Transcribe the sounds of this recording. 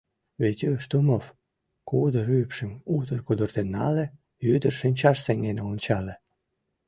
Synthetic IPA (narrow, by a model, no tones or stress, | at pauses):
βet̪ʲøʃt̪umof | kud̪ə̆ɾypʃə̆mut̪ərkud̪urt̪enːɑlĕ | jyd̪ərʃenʲt͡ɕɑʃseŋɡenonʲt͡ɕɑlĕ